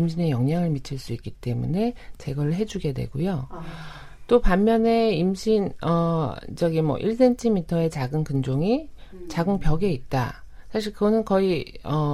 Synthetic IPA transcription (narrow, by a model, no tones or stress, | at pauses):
imɕʰine̞jʌŋɲaŋɯɭmit͡ɕʰɯɭs͈uik͈it͈e̞mṵne̞t͡ɕe̞ɡʌɾɯɭɦe̞d͡ʑuɡe̞dwe̞̰ɡ̥ujo | t͈opamːjʌne̞imɕʰinʌt͡ɕʌɡimʌ̰ʔiɭs̬͈e̞ntʰimitʰʌe̞t͡ɕaɡɯnkɯnd͡ʑoŋi | t͡ɕaɡɯnpjʌɡe̞it̚t͈a̰ | sʰaɕ̬ʰiɭkɯɡʌnɯnkʌiʌ